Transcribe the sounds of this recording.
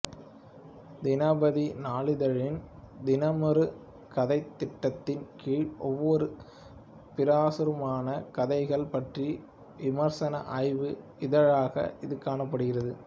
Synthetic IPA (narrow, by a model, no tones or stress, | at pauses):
d̪ɪnaːbɐðinaːɭɪðɐɻɪnd̪ɪnɐmɐɾɯ | kɐðɐɪt̪ːɪʈːɐt̪ːɪnkiːɻʔɔʋːɔɾɯ | pɪɾaːsɯɾɯmaːnɐkɐðɐɪɣɐɭpɐʈri | ʋɪmɐɾsɐnɐ̰ʔɐɪʋɯ | ɪðɐɻaːɣɐ̰ʔɪðɯkaːɳɐpːɐɽɯɣɪrɐðɯ